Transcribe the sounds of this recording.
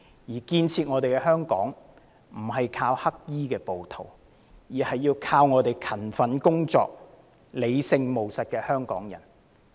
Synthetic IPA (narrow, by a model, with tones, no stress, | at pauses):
jiː˨˩kiː˧nt͡sʰiː˧t̚ŋɔː˨˧t̪e˨jkɛ˧ɦœː˥ŋkɔ̰ː˨˥ŋ | m̩˨˩ɦɐ˨jkʰaː˧whɐ˥k̚jiː˥kɛː˧po˨wt̪ʰo˨˩w | jiː˨˩hɐ˨jːiː˧wkʰaː˧wŋɔː˨˧t̪e˨˩jkʰɐ˨˩nfɐ˨˥nkʊ˥ŋt͡sɔ̰ː˨k̚ | le˨˧jsɪ˧ŋmo˨˩wsɐ˨t̚kɛː˧hœː˥ŋkɔː˨˥ŋjɐ̰˨˩n